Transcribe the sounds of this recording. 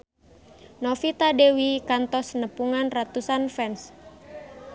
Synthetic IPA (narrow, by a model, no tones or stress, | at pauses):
nofit̪adewikant̪ɔsnəpuŋanrat̪usanfɛns